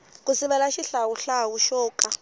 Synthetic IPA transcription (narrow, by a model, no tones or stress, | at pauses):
k̬ʼusiβɛlaʃiɬawuɬawuʃɔːkʼa